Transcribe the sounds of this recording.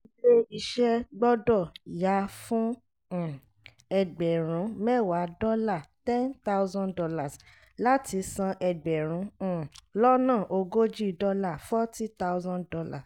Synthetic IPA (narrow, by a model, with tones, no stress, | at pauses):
i˦le˦i˧ʃɛ˦ɡ͡bɔ˦dɔ˦˨ja˨˦fũ˦˨ | ɛ˧˨ɡ͡bɛ˨ɾ̃ũ˨˦mɛ˦˨wa˨˦dɔ˦la˦˨tɛ̃˦nt̪a˦wzã˦dɔ˧la˦˨s | la˦ti˧˦sã˧ʔɛ˧ɡ͡bɛ˨ɾ̃ũ˨˦˨lɔ˦nãː˦˨ʔo˧ɡo˦d͡ʒi˦˨dɔ˧la˦˨fɔ˦ti˦t̪a˦zɔ̃˦dɔ˧˦la̰˦˨s